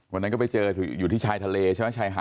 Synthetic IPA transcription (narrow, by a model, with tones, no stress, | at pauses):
wa˧na˦˥nkɔː˥˩pa˧jt͡ɕɤː˧˨˩juː˨˩t̪ʰiː˥˩aː˧jt̪ʰa˧leː˧t͡ɕʰa˥˩m˦˥˩t͡ɕʰaː˧jɦa̰ː˨˩